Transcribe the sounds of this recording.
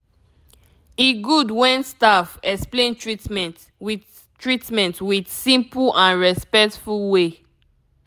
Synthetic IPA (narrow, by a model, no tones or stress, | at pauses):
iɡudwɛ̃nstafɛksplẽntʰɹitmɛ̃t | w | tɹitmɛ̃ntwidsĩmplãnɹɛspɛk̚tfulwe